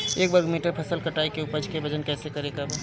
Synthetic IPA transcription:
eːk̚bəɡmiːʈəɾpʰɐsəlkɐʈaːekeʊpəd͡ʒkebɐd͡ʒənkɛːsekɐɾeːɡab

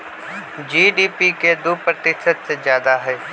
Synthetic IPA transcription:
d͡ʒiːɖiːpiked̪upɾət̪ɪʃʃət̪sezjaːd̪aɦɛː

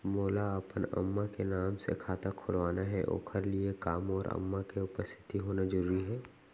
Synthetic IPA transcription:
moːlaəpənə̰mːakenaːmsḛkʰaːt̪akʰʊlʋaːnaɦɛʔo̰ːkʰəɾliekaːmɔːɾə̰mːakeʊpəst̪ʰɪ̥t̪iɦoːnad͡ʒəɾuːɾiɦɛː

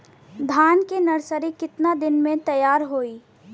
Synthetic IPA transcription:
d̪ʱaːnkenɐɾsəɾikɪt̪nad̪ɪnmẽt̪ɐjaːɾɦoːiː

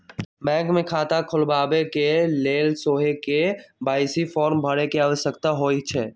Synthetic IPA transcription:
bɛ̃ːŋkmẽkʰaːt̪akʰʊlbaːbekeleːlsoːɦekebaːɪsifɔːɾmbʱəɽekeaːʋəsəkt̪aɦoːit͡ʃʰɛː

